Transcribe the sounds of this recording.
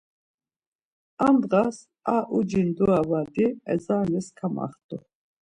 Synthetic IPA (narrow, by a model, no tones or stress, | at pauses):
amd̪ʁas | aʔud͡ʒind̪uavad̪iɛ̰zaːnɛskʰama̰χt̪ʼu